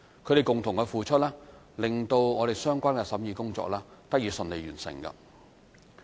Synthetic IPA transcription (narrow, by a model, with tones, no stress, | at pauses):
kʰɵ˨˧ɾe˨jkʊ˨ŋt̪ʰʊ˨˩ŋkɛ˧fuː˨t͡ʃʰɵ˥t̚laː˥ | lɪ˨ŋt̪o˧wŋɔː˨˧ɾe˨jsœː˥ŋkʷaː˥nkɛ˧sɐ˨˥mjiː˧kʊ˥ŋt͡sɔ̰ː˧k̚laː˥t̪ɐ˥k̚jiː˨˧sɵ˨˧nle˨˧jyː˨˩nsɪ̰˨˩ŋkɐ̰˧